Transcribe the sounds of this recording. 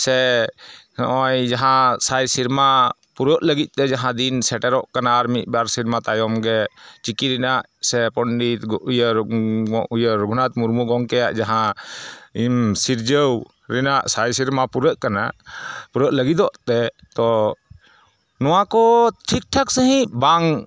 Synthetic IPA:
sɛ | ʔɔjd͡ʒaɦãsajsiɾma | puɾəʔləɡit̪̚ˀt̪ɛd͡ʒaɦãd̪insɛʈɛɾɔʔkanaːɾmit̪̚baɾsiɾmat̪ajɔmɡɛt͡ʃikiɾɛnaʔ | sɛpɔɳɖit̪ujəɾ | ujəɾɡʱunat̪muɾmuɡɔŋkɛjaʔd͡ʒaɦã | imsiɾd͡ʒəw | ɾɛnaʔsajsiɾmapuɾəʔ̪̚kanapuɾəʔ̪̚ləɡid̪ɔʔt̪ɛ | t̪ɔ | nɔwakɔt̪ʰik̚ʈʰaksəɦĩʔbaŋ

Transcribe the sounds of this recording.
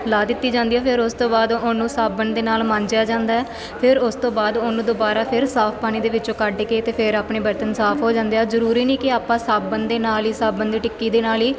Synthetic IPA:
laːd̪ɪt̪ːiːd͡ʒãːnd̪iːɛːpʰɪɾʊst̪õːbaːd̪ʊnũːsaːbənd̪eːnaːlmãːɲd͡ʒjaːd͡ʒãːnd̪aːɛː | pʰɪɾʊst̪õːbaːd̪ʊnũːd̪ʊbaːɾaːpʰɪɾsaːpʰpaːɽ̃iːd̪eːʋɪt͡ʃõːkəɖkeːt̪eːpʰɪɾaːpɳeːbəɾt̪ənsaːpʰɦoːd͡ʒãːnd̪eːaːzəɾuːɾiːniːkɪaːpãːsaːbənd̪eːnaːliːsaːbənd̪iːʈɪkːiːd̪eːnaːliː

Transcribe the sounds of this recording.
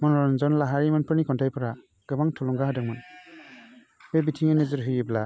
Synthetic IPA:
mɔnnzɔnlaɦaɾimanpʰɯɾnikʰɔntʰajpʰɔɾa | ɡ̥ɯbaŋtʰulɔŋɡaɦɯdaŋmɔn | bebitʰiŋenezɯɾɦɯjɯbla

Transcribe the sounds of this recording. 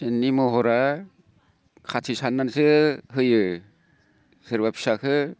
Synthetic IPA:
enːimɔɦɔɾa | kʰatʰisanːansɯɦɯjɯ | sɯɾbapʰi̥sakʰɯ

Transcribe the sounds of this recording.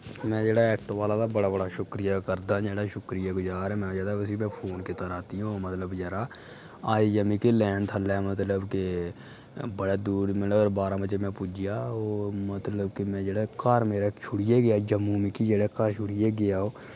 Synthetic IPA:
mɛ̃ːd͡ʒeːɽaɛːk̚ʈõʋaːlat̪abəɽaːbəɽaʃʊkɾijakəɾd̪ãd͡ʒeːɽaʃʊkɾijaɡʊd͡ʒaːɾɛmɛ̃ːd͡ʒaːd̪aəsimɛ̃ːpʰoːnket̪əɾaːt̪iɦũmət̪ləbd͡ʒɛːɾaː | aːijəmikelɛːnt̪ʰəlːemət̪ləbke | bəɽed̪uːɽmɪlːɾbaːɾãbət͡ʃemɛ̃ːpʊd͡ʒijaːoːmət̪ləbkemɛ̃ːd͡ʒeːɽakaɾmeːɾat͡ʃʰʊɽijeɡɪjad͡ʒəmːuːmikid͡ʒeːɽekaɾʃʰʊɽijeɡɪjaːɦoː

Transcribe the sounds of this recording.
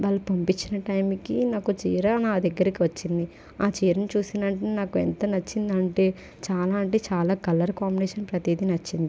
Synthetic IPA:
ʋaːlːɐpɐmpit͡ʃːinɐʈɐjmkinaːkut͡ʃiːɾɐnaːd̪ɛɡːɐɾikiʋɐt͡ʃːind̪i | aːt͡ʃiːɾɐnit͡ʃuːsind̪ɐɳʈeːnaːkuent̪ɐnɐt͡ʃːind̪ɐɳʈe̞ː | t͡ʃaːlaːɳʈit͡ʃaːlaːkɐlɐɾkaːmbineːʂɐnpɾɐt̪id̪inɐt͡ʃːind̪i

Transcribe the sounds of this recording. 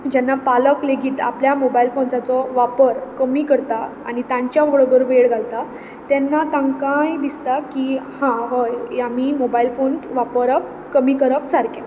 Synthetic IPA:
d͡ʑɛnːapaləkleɡiːt̪a̰pljamobailfonsat͡sɔʋapəɾkəmiːkəɾt̪aa̰ñit̪ãɲt͡ɕjaʋoɭobəɾuʋeɭɡʱalt̪a | t̪ɛnːat̪ãŋkajd̪ist̪akihãɦɔjam̤imobailfonsʋapəɾəp̚ | kəmiːkəɾəpsaɾkɛ̃

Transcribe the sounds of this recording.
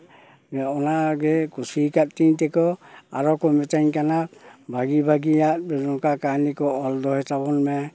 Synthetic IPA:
ɛɔnaɡɛkusikat̚tiɲtɛkɔa̰ɾɔkɔmɛtaɲkanabʱaɡibʱaɡijat̚bɛzɔŋkakanikɔɔldɔhɛtabɔnmɛ

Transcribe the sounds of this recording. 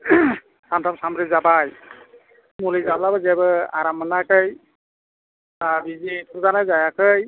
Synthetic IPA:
tantʰamsamɾizabaj | mulizablabazɛbɯa̰ɾamːənakʰɯj | abizitʰuɾzanajzajakʰɯj

